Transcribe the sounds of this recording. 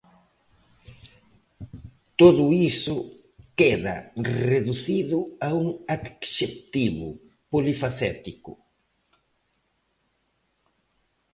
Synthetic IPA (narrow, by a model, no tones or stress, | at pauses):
t̪oðʊisʊ | keða̰reðuθiðʊauŋad̪ksep̚t̪iβʊ̰ | polifaset̪ikʊ